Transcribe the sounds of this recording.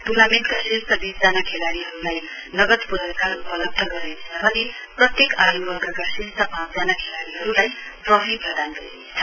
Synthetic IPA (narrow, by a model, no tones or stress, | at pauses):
ʈunamenʈkasist̪ʰʌb̪isd͡zanakʰelaɽiɦʌɾulaj | nʌɡʌt̪puɾakarupʌlʌb̚d̪ʱʌɡʌɾet͡sʰʌbʱʌne | prʌt̪jekajubʌrɡakasist̪ʌpãpd͡zanakʰelaɽiɦʌɾulajprʌɦɾit̪ɦʌd̪anɡʌ̰ɾḛnt͡sʰʌ